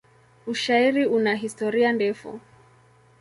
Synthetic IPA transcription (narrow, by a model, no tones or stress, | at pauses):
uʃaiɾiunaɦistɔɾiandɛfṵ